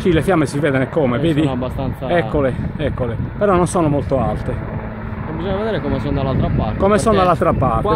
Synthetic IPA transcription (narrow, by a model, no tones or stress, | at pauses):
kilefjamːesivɛːðɛnɛkɔmɛveːðinabːast̪ant̪saɛkːoleɛkːolepɛɾɔnːɔnsɔːnomolt̪oalt̪e | bizɔɲːavɛd̪ɛːɾɛkɔmɛsɔnd̪alːalt̪ɾapaɾkɔmɛsɔnd̪alalt̪ɾapaɾt̪